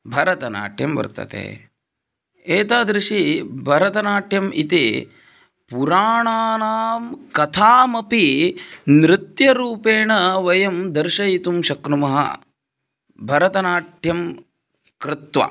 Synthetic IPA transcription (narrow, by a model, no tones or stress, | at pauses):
bʱɐɾɐt̪ɐna̰ːʈʰjɐmʋɐ̰ɾt̪ɐ̰t̪ḛː | eːt̪aːd̪ɾiʂibʱɐɾɐt̪ɐnaːʈʰjɐmit̪e | puɾaːɳaːnaːmkɐt̪ʰaːmɐpinɾɪt̪jɐɾuːpeːɳɐʋɐjɐmd̪ɐɾʃɐit̪umʃɐkɾumɐɦɐ̰ | bʱɐɾɐt̪ɐnaːʈʰjɐm | kɾɪt̪ʋɐ̰